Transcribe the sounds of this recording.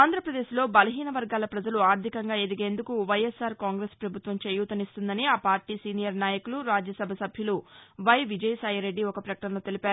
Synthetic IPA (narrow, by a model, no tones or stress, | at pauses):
aːnd̪ʱɾɐpɾɐd̪e̞ːʃlo̞ːbɐlɐɦiːnɐʋɐɾɡaːlɐpɾɐd͡ʒɐluaːɾd̪ʱikɐŋɡaːed̪iɡe̞ːnd̪ukuʋɐjesaːɾkaːŋɡɾespɾɐbʱut̪ʋɐmt͡ʃeːjuːt̪ɐnist̪und̪ɐniaːpaːɾʈiːsiːnijɐɾnaːjɐkuluɾaːd͡ʒjɐsɐbʱɐsɐbʱjɐluʋɐjʋid͡ʒɐjsaːjɐɾe̞ɖːiɔkɐpɾɐkɐʈɐnɐɐt̪e̞lipaːɾu